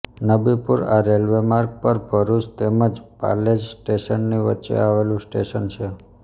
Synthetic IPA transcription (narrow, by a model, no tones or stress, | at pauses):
nəbipuɾa̰ɾelʋemaɾk̚pəɾbʱəɾuʃt̪eməd͡ʒpa̰led͡ʒsʈeʃənːiʋə̰tːt͡ʃḛaʋelũsʈeʃənt͡ʃʰe